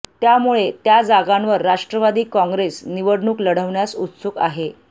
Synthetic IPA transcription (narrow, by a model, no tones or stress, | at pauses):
t̪jamuɭet̪jad͡zaɡãnʋəɾːaʂʈɾəʋad̪iːkɔ̃ŋɡɾesniʋəɽɳuːkləɽ̤əʋɳjasut̪suka̰ɦe